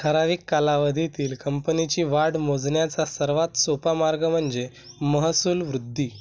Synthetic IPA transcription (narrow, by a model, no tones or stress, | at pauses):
t̪ʰəɾaʋiːkːalaʋəd̪ʱit̪iːlkəmpənit͡ɕiːʋaɽmod͡zɳjat͡sasəɾʋat̪sopamaɾɡəm̤əɳd͡ze | məɦəsuːlʋɾud̪ʱːiː